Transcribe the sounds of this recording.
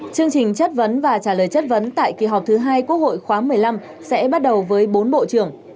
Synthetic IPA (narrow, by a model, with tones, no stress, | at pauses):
t͡ɕɨ˧əŋt͡ɕï˨˩ŋ̟t͡ɕə˦˥t̚və˨˦nvaː˨˩t͡ɕaː˧˩ləː˨˩jt͡ɕə˦˥t̚və˨˦nt̪a̰ː˧˨jki˨˩ɦɔ˨˩k͡p̚t̪ʰɨ˨˦ɦaː˧jku˦˥ək̚ho̰˧˨jxwaː˨˦mɨ˨˩əjla˧m | sɛ̰˧˥ɓa˦˥t̚ɗə˨˩wvəː˨˦jɓo˨˦nɓo̰˧˨t͡ɕɨ˧˩əŋ